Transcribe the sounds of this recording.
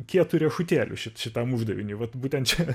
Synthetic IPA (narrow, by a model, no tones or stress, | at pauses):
kʲiɛt̪uɾʲiɛʃʊt̪ʲeːlʲʊ̰ʃʲɪt̪ʃʲɪt̪ɐmʊʒd̪ɐʋʲɪnʲiːʋɐt̪buːt̪ʲɛnt̪t͡ʃʲɛ